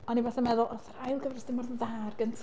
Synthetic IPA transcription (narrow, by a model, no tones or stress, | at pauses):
ɔnivaθamɛðʊlˠʔɔθrajlˠɡəvrəsd̥ɪmɔrððaːrɡəntʰ